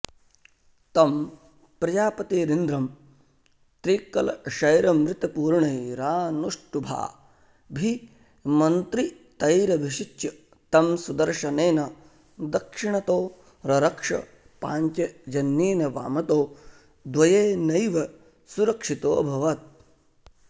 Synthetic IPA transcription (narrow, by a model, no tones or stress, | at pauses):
t̪ɐm | pɾɐd͡ʒaːpɐt̪eːɾind̪ɾɐm | t̪ɾiːkːɐlɐʃɐjɾɐmɾɪt̪ɐpuːɾɳɐjɾaːnuʂʈubʱa̰ː | bʱi | mɐnt̪ɾi | t̪ɐjɾɐbʱiʃit͡ʃːɐ | t̪ɐmsud̪ɐɾʃɐneːnɐ | d̪ɐkʂiɳɐt̪oː | ɾɐɾɐkʂɐ̰ | paːɲt͡ʃed͡ʒɐnːeːnɐʋa̰ːmɐt̪oː | d̪ʋɐjeːnɐjʋɐ | suɾɐkʂit̪o̰ːbʱɐʋɐt̪̚